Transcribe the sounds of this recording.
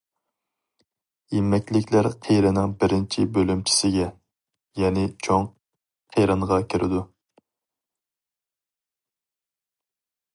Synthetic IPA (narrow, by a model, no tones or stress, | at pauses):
jemɛkʲlɪkʲʰlæɾqʰejɾɪnɪŋbɪɾɪnt͡ʃʰibølymt͡ʃʰi̥sɪɡʲɛ | jɛnɪt͡ʃʰoŋ | qʰejɾɨŋʁɑkʲʰiɾʔɪ̰d̪u